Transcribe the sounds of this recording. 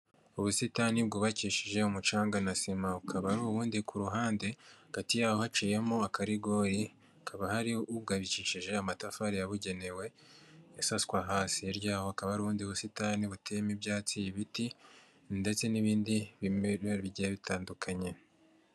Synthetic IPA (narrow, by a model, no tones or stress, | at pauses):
uβusitanibɡuːβaciːʃiʒe̞umut͡ʃaːŋɡanasimaβukʰaβaɾuβuːndikʰuɾuɦaːnde̞aɡ̥atijaːho̞hat͡ʃiːje̞moakaɾiɡo̞ɾi | akʰaβahaɾiuβɡaβiciʃiʒe̞amatafaɾijaβuɟe̞ne̞we̞ | jasaskwaɦaːsieɾjaːho̞akaβaɾuβuːndiuβusitaniβutejemibjaːt͡sijiβiti | nde̞t͡se̞niβiːndiɾβiɟijeβitʰaːndukʰaɲe̞